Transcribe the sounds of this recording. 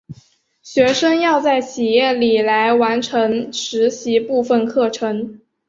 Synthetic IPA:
ɕɥɛ˧˥ʂɤ˥ŋjɑ˥˧ʊt͡sa˥˩ɪt͡ɕʰi˨˩jɛ˥˩li˨˩la˧˥ɪwa˧˥nʈ͡ʂʰɤ˧˥ŋʂɻ̩˧˥ɕi˧˥pu˥˧fə˥˧nkʰɤ˥˩ʈ͡ʂʰɤ˧˥ŋ

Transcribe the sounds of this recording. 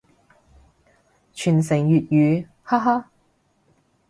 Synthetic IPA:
t͡ʃʰyː˨˩nsɪ˨˩ŋjyː˨t̚jyː˨˧ | ha˥ɦaː˥

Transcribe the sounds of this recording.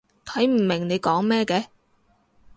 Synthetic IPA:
t̪ʰɐ˨˥jm̩˨˩mɪ˨˩ŋne˨˧jkɔː˨˥ŋmɛː˥kɛː˧

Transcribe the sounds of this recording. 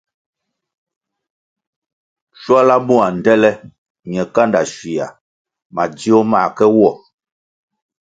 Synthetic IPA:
ʃwa˦la˦mu˦a˨n̩˨dɛ˦lɛ˦ | ɲɛ˨ka˦nda˨ʃwi˨a̰˨ | ma˨di˦o˦ma˦˨kɛ˦wɔ˦˨

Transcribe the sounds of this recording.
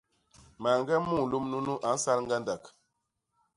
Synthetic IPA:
ma˨ŋɡɛ˦mu˦˨lu˦mnu˦nu˦ʔa˨˦n̩˦sa˦lŋ˦ɡa˦nda˨k

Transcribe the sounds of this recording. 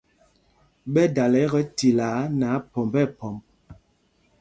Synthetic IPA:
ɓɛ˦da˨lɛ˨˦ɣə˦ti˨la˨˦na˨˦pɔ˨mbɛ˦˨pɔ˨mb̚

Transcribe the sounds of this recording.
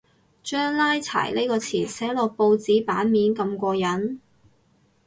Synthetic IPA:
t͡ʃœː˥ŋlaː˥jt͡sʰa̰ː˨˩jle˥jkɔː˧t͡sʰiː˨˩nsɛː˨˥lɔː˨k̚po˧wt͡siː˨˥paː˨˥nmiː˨˥nkɐ˧mkʷɔː˧jɐ˨˥n

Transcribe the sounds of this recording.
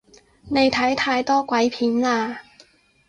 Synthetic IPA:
ne˨˧jt̪ʰɐ˨˥jt̪ʰaː˧jt̪ɔː˥kʷwɐ˨˥jpʰiː˨˥nlaː˧

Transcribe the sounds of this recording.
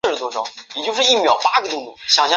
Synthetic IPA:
ʂə˩t̪wɔ˥ʈ͡ʂʰɤ˥ŋjɛ˨˩t͡ɕjo˥˧ʊʂɻ̩˥˧i˥˩mjɑ˨˩ʊpa˥ɡə˨t̪ʊ˥˧ŋt̪u˥˩ɕjɑ˨˩ŋɕjɑ˥

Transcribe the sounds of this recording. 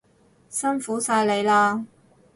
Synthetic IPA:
sɐ˥nfuː˨˥saː˧jle˨˧jlaː˧

